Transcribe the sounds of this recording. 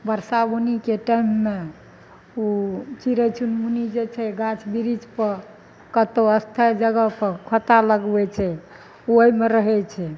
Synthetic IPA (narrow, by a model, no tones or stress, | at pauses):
bəɾsabunikeʈaimːe | ot͡ʃiɾɛt͡ʃʰunmunid͡ʒet͡ʃʰɛɡãt͡ʃʰbiɾid͡ʒpəɾ | kət̪oəst̪ʰad͡ʒəɡəpəɾkʰət̪aləɡbɛt͡ʃʰɛ | oimeɾəɦɛt͡ʃʰɛ